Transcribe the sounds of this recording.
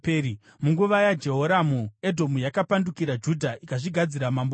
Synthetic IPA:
peɾi | muŋɡuʋajad͡ʒe̞ɦoɾamue̞dʱo̞mujakapandukiɾad͡ʒudʱaʔikaʐiɡʱad͡ziɾamambo

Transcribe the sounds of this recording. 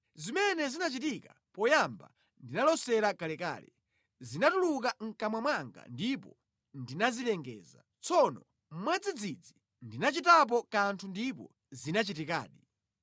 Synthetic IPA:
zimɛnɛzinat͡ʃitika | pɔjamba̰ | ndinalɔsɛɾakalɛka̰ːlɛ̰ | zinatuluk̬aŋ̩kamwamwaŋɡa̰ndipɔ̰ | ndinazilɛŋɡɛ̰ːza̰ | t͡sɔnɔ | mmwad͡zid͡zid͡zi | ndinat͡ʃitap̬ɔkantʰundipɔ̰ | zinat͡ʃitika̰ːɗi

